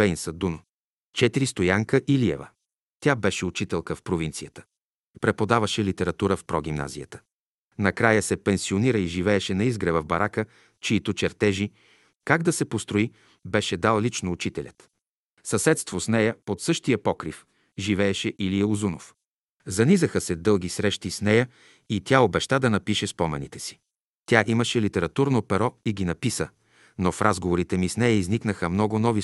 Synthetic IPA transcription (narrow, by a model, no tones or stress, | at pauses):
ɛjnsɐd̪un | t͡ʃɛt̪iɾist̪ojaŋkəʔiliɛ̰və̰ | t̪ʲjabɛʃɛut͡ʃit̪ɛlˠkəfpɾovint̪sijət̪ə̥ | pɾɛpod̪avəʃɛlit̪ɛɾɐt̪uɾəfpɾɔɡ̟ʲimna̰zḭjət̪ə̥ | nɐkɾajəsɛpɛnsioniɾəiʒivɛːʃɛnɐizɡɾɛvəvbɐɾʔakə | t͡ʃiːt̪ot͡ʃɛɾt̪ɛʒi | kaɡd̪ɐsɛpost̪ɾoi | bɛʃɛd̪alˠlit͡ʃnoːt͡ʃit̪ɛlʲɐ̰t̪ | sɐsɛt̪st̪vosnɛjəpot̪sɤʃt̪ijəpɔkɾif | ʒivɛːʃɛʔiliɛuzuno̰f | zɐnizəxəsɛd̪ɤlˠɡisɾɛʃt̪isnɛjə | it̪ʲaobɛʃt̪ad̪ɐnɐpiʃɛspɔmɛ̰nit̪ɛsi̥ | t̪ʲaʔiməʃɛlit̪ɛɾɐt̪uɾnopɛɾɔiɡʲinɐpisə | nofɾʔazɡovoɾit̪ɛmisnɛjəizniknəxəmnɔɡʊnɔvi